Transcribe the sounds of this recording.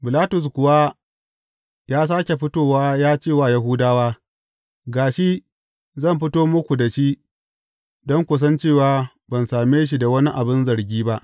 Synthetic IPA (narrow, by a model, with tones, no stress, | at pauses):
bɪ˨laː˦tʊ˨s̬kʷʊ˨wa˦ | jaː˦s̬aː˦kʲe˨ɸɪ˦toː˦waː˦jaː˦t͡ʃeː˦˨waː˦ja˦ɦuː˦daː˦waː˦ | ɡaː˨ʃi˦ | zɐ˦˨mɸɪ˦toː˦mʊ˦kʷu˨da˨ʃi˦ | dɔ˦ŋkʷʊ˨s̬ɐ˦nt͡ʃeː˦˨waː˨ | bɐ˨nsaː˨meː˦ʃ̬i˨da˨wɐ˦ni˦ʔa˨bɪ˦nzɐ˨ɾɡʲiː˦ba˦ʔ